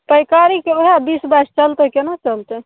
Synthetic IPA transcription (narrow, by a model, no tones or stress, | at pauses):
pəjkaɾikeoɦabisbast͡ʃəlt̪ekenat͡ʃəlt̪e